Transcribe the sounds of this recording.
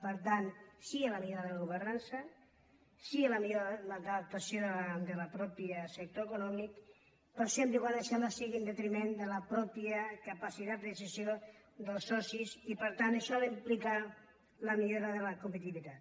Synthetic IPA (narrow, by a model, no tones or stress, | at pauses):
pəɾt̪ansiəlamiʎoɾaðəlaɣuβəɾnansə | siəlamiʎoɾlad̪əlap̚t̪asjoðəd̪ələpɾɔpiəsək̚t̪oekunɔmik | pəɾsemd̪iɣwaneʃamasiɣind̪ət̪ɾimend̪əlapɾɔpjəkapasit̪at̪̚d̪əsizjo | d̪əlˠsɔsisipəɾt̪anəʃɔləimplika | ləmiʎoɾaðələkumpət̪̬iβit̪at̪